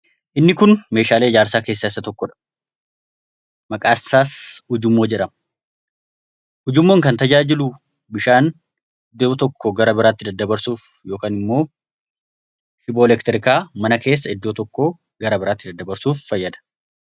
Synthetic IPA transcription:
ʔɪnːɪkʊnme̞ːʃaːle̞ːɪd͡ʒaːɾsaːke̞ːsːaːɪsːɐt̪ɔkːɔᶑɐ̥ | mɐkʼaːsːaːshʊd͡ʒʊmːo̞ːd͡ʒɛᶑɐ | hʊd͡ʒɪmːo̞ːŋkɐnt̪ɐd͡ʒaːd͡ʒɪlʊ | bɪʃaːn | ɪd̪ːoːt̪ɔkʰːɔɡɐɾɐbɪɾaːt̪ːɪd̪ɐd̪ːɐbɐɾsuːf | jo̞ːkaːnɪmːo̞ː | ʃɪboːlɛkt̪ɪɾɪkaːmɐnɐke̞ːs̬ːɐɪd̪ːo̞ːt̪ɔkːoː | ɡɐɾɐbɪɾaːt̪ːɪd̪ɐd̪ːɐbɐɾsuːfːɐjːɐd̪ɐ̥

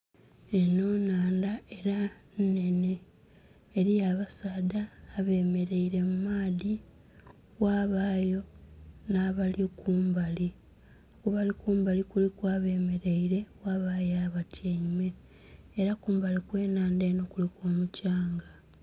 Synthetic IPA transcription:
e̞no̞ːnaːndae̞ɾanne̞ne̞ː | ɾijaβasaːdaːβe̞ːme̞ɾe̞iɾe̞mumaːði | waːβaːjo̞naːβalikuːmbali | kuβalikuːmbalikulikwaːβe̞ːme̞ɾe̞iɾe̞waβajaβatʰjeɲime̞ː | ɾakuːmbalikwe̞ːnaːndeːnokulikoːmucaːŋɡa

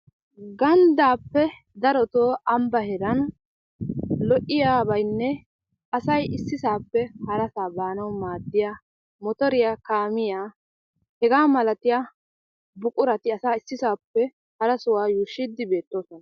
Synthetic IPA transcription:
ɡɐnd̪aːpːɛ | d̪ɐɾɔt̪oːʔɐmbɐhɛɾɐn | lɔʔɪjaːbɐjnːɛ | ɐsɐjɪsːɪsaːpːɛhɐɾɐsaːbaːnɐwmaːd̪ːɪjaː | mɔt̪ɔɾɪjaːkaːmɪjaː | hɛɡaːmɐlɐt̪ɪjaː | bʊkʼʊɾɐt̪ɪɐsaːɪsːɪsaːpːɛ | hɐɾɐsʊwaːjuːʃɪd̪ːɪbe̞ːt̪ːo̞ːsɔnɐ

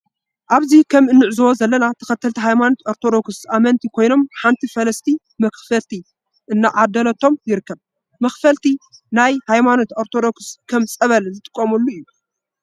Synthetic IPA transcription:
ʔaβzikʰɐmɨnːɨʕzɐwozɐlːɐnat̪ʰɐxɐt̪ʰːɐlt̪ʰiɦajmanot̪ʔoɾt̪ʰo̞d̪o̞ksʔamɐnt̪ʰikʰo̞jno̞mħant̪ʰifɐlɐst̪ʰi | mɐxfɐlt̪ʰi | ʔɨnːaʕad̪ɐlɐt̪ʰo̞mjɪɾɨkʰːɐβ | mɐxfɐlt̪ʰinajhajmano̞t̪oɾt̪ʰod̪o̞kɨskʰɐmt͡sʼɐβɐlzɨt̪ʼɨ̥kʼːɐmɐlːuɨjːu

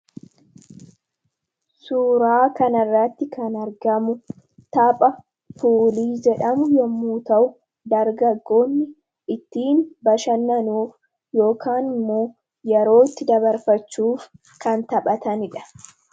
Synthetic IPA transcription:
suːɾaːkɐnɐrːɐt̪ːɪkʰɐnɐɾɡɐmʊ | t̪ɐpʼɐ | fuːliːd͡ʒɛᶑɐmʊjɔmːuːt̪ɐʔʊ | d̪ɐɾɡɐɡːo̞ːnːɪ | ɪt̪ːiːnbɐʃɐnːɐnuːf | jo̞ːkʰaːnɪmːoː | jɛɾo̞ːɪt̪ːɪd̪ɐβɐɾfɐt͡ʃːuːf | kɐnt̪ɐɓʼɐt̪ɐnɪᶑɐ̥

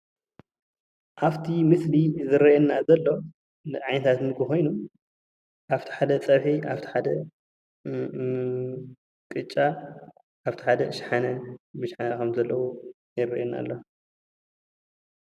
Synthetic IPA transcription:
ʔaβt̪ʰimɨslizɨɾɐjɛnːazɐlːo̞ | nɨʕajnɐt̪ʰat̪mɨɡɨxo̞jnu | ʔaft̪ʰi̥ħad̪ɐt͡sʼɐβħiʔaft̪ʰi̥ħad̪ɐ | kʼɨt͡ʃʼːa | ʔaβt̪ʰiħad̪ɐʃħanɐbɨʃħanɐkʰɐmzɐlːɐwu | jɪrːɐ̰ʔɛna̰lːo

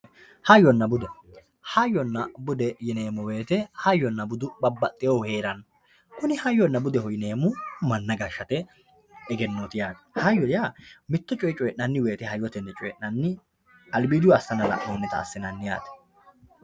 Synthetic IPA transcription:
hɐjːɔnːɐbʊd̪ɔ | hɐjːɔnːɐbʊd̪ɛjɪne̞ːmʊwe̞ːt̪ɛhɐjːɔnːɐbʊd̪ʊbɐbːɐt̪ʼːɪjowhe̞ːɾɐn | kʊnɪhɐjːɔnːɐbʊd̪ɛɦɔjɪneːmʊmɐnːɐɡɐʃːɐt̪ɛ | ɛɡɛnːoːt̪ɪjaːd̪hɐjːɔjamɪt̪ːɔt͡ʃʼɔjɪt͡ʃʼɔjɛʔnɐnːɪwe̞ːt̪ɛhɐjːɔt̪ɛnːɛt͡ʃʼɔjɛʔnɐnːɪ | ɐlbiːd̪ɪwɐsːɐnɐlɐ̰ʔmoːnːɛt̪ɐ̰ːsːɪnɐnːɪja̰ːt̪ɛ̥

